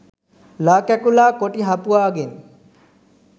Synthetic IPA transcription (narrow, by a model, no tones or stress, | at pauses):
laːkækulaːkoʈiɦapuʋaːɡen